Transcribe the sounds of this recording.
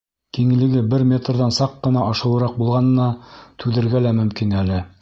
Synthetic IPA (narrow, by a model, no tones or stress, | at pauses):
kiŋɘ̆lɘ̆ɡɘbɘɾmʲe̞t̪rðɑnsɑqːɤ̆nɑʔɑʃɤ̆wˠɤ̆ɾɑq̚bulˠʁɑnɤ̆nɑt̪ʰʉðɘ̆ɾɡælæmɵ̆mkinælɘ